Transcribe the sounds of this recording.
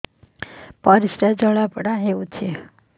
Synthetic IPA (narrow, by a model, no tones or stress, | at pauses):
pəɾisɾad͡ʒəɭapɽaɦeʋũt͡ʃʰe